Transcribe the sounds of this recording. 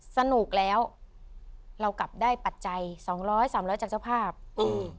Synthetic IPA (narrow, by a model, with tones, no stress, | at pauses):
sa˧nu˨˩k̚lɛː˦˥w | ɾa˧wkla˨˩p̚daː˥˩jpa˨˩t̪̚t͡ɕa˧jsɔː˩˦ŋɾɔː˦˥jsaː˩˦mɾɔː˦˥jt͡ɕaː˨˩k̚t͡ɕa˥˩wpʰaː˥˩p̚ʔɯː˧